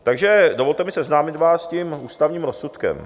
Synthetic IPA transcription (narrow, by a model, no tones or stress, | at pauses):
t̪aɡʒɛdovo̞lt̪ɛmɪsɛznaːmɪt̪vaːscimʔuːst̪avɲiːmɾosut̪kɛ̰m